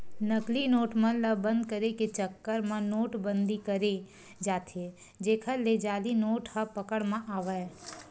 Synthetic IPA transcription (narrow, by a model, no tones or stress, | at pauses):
nəklinoːʈmɐ̃ləbə̃nd̪̚kəɾeket͡ʃəkːəɾmãnoːʈbə̃nd̪ikəɾe | d͡ʒaːt̪ʰe | d͡ʒeːkʰəɾled͡ʒaːlinoːʈhəpəkəɽmãʔaːʋə